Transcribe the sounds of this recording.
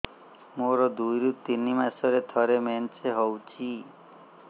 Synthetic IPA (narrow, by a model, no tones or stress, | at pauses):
moɾɔd̪ujɾut̪inimasɔɾet̪ʰɔɾement͡ʃeɦɔwt͡ʃʰi